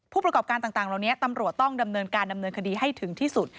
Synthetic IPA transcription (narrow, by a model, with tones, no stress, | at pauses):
pʰuː˥˩pɾa˧kɔː˨˩p̚kaː˧nt̪aː˨˩ŋt̪aː˨˩ŋla˨˩wni˦˥ɐt̪a˧mɾu˨˩ət̪ːɔ˥˩ŋda˧mnɤː˧nkaː˧nda˧mnɤː˧nkʰa˧diː˧ɦa˥˩jt̪ʰɯ˩˦ŋt̪ʰiː˥˩su˨˩t̪̚